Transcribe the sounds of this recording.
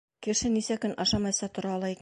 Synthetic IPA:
kɘ̆ʃɘnisækɵnʔɑʃɑmɑjsɑt̪ŏɾɑɒlˠɑik

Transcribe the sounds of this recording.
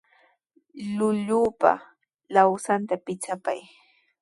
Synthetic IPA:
lʊʎuːpa̰ | lawsant̪apɪt͡sapa̰j

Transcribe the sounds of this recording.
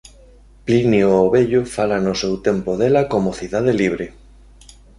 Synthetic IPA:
plinioːβeʎofalanosewt̪empoðelakomoθiðað̞eliβ̞ɾe

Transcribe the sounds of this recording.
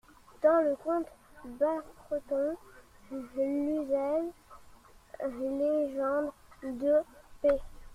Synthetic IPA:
d̪̥ɑ̃ləkɔ̃t̪bapχət̪ɔ̃ | nyzɛl | leʒɑ̃d̪d̪əpe

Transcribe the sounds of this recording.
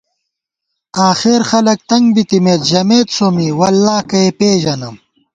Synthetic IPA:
aːxeɾxɐlɐk̚t̪ɐŋɡbit̪imeːt̪ʑɐmeːt̪somiwɐlːaːkɐepeːʑɐnɐm

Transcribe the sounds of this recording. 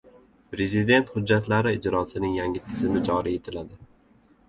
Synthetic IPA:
pɾe̞zɪd̪e̞nt̪hʊd͡ʒːat̪laɾɪːd͡ʒɾɒsɪnɪŋjaŋʲɪt̪ʰɪzɪmɪd͡ʒɒɾie̞t̪ʰɪlad̪ɪ

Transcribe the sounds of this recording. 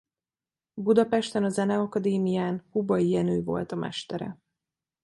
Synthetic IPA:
bud̪ɒpɛʃt̪ɛnɒzɛnɛɒkɒd̪eːmijaːnhubɒijɛnøːvo̞̰lt̪ɒmʔɛ̰ʃt̪ɛɾɛ̰

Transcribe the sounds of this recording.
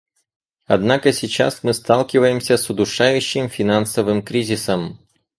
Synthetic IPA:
ɐd̪nakəsʲɪt͡ɕa̰smɨst̪alˠkʲɪvəjɪmsʲəsʊd̪ʊʂajʉɕːɪmfʲɪnansəvɨmkɾʲizʲɪsəm

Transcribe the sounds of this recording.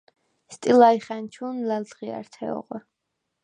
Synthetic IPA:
st̪ʼilaiχɛnt͡ʃʰuːnlæld̪ʁia̰ɾt̪ʰɛ̰ɔ̰ʁwɛ

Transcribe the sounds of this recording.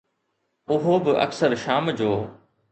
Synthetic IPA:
ʊɦobɪʔɐ̰ksəɾʃaːmd͡ʑoː

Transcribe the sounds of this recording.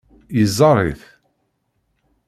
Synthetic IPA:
jəzˤːɑrˤḭθ

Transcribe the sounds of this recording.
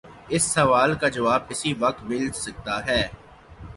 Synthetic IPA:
ɪsːɐʋaːlkad͡ʒɐʋaːb̚kɪsiʋɐk̚t̪mɪlsɐk̚t̪aɦɛː

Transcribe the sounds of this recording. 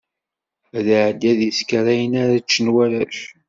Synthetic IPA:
æðaʕd̪ːæðiskɾæjənaɾat͡ʃːənwælæʃ

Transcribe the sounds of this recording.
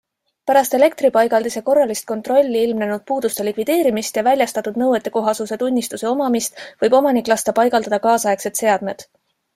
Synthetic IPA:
pæɾɑst̪e̞le̞kt̪ɾipɑjɡ̥ɑld̪iseko̞rːɑlist̪̚ko̞nt̪ro̞lʲːiilmne̞nud̪̥̚puːd̪̥ust̪e̞likvid̪̥e̞ːɾimist̪jɑvælʲjɑst̪ɑt̪ːˑud̪nɤwet̪ːˑe̞ko̞ɦɑsuse̞t̪unʲːist̪use̞o̞mɑmist̪vɤjbo̞mɑnikːˑlɑst̪ɑpɑjɡ̥ɑld̪ɑd̪̥ɑkɑːsɑjekse̞d̪̥se̞ɑd̪̥me̞d̪̥

